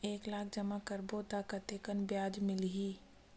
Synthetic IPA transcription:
eːklaːk̚ʰd͡ʒəmakəɾboːt̪akət̪eːkənbjaːd͡ʒmɪlɦiː

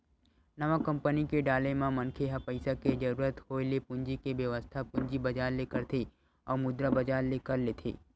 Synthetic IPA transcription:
nɐʋãkɐ̃mpənikeɖaːlemãmɐ̃nkʰeɦapəɪsaked͡ʒɐɾuːɾət̪hoːelepʊ̃ɲd͡ʒikeʋjəʋəst̪ʰapʊ̃ɲd͡ʒibɐd͡ʒaːɾlekəɾt̪ʰe | ɔ̰ːɾmʊd̪ɾabɐd͡ʒaːɾlekəɾleːt̪ʰḛː

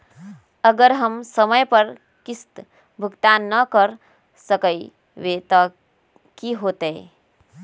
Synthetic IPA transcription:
əɡəɾɦəmsəməjpəɾ | kist̪ | bʱuɡt̪anːəkəɾ | səkəi | ʋet̪ə | kiɦoːt̪eː

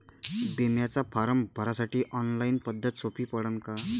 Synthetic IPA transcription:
d̪emjat͡sapʰaɾəmbʱəɾasaʈiːʔɔnlainpəd̪ʱːʌt̪sʰopipəɽəŋka

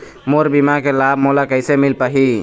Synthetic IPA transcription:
moɾbimakelabmolakəjsemilpəɦi

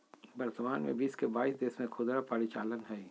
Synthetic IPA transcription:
bɐɾt̪əmaːnmḛ̃biːskebaːiːsd̪eːsmẽkʰʊd̪ɾapəːɾit͡ʃaːlənɦɛː

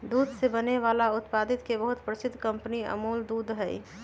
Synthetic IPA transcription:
d̪uːd̪sebəneʋaːlaʊt̪paːd̪ɪt̪kebəɦʊt̪pɾəsɪd̪ʱːkə̃mpəniə̰muːld̪uːd̪ɦɛḭ

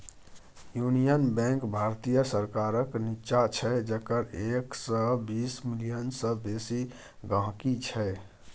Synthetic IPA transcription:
junijənbɛ̃ŋkbʱaɾt̪ijəsəɾkaɾəknit͡ʃat͡ʃʰɛd͡ʒəkəɾeksɔbismilijənsəbesi | ɡãɦkit͡ʃʰɛ

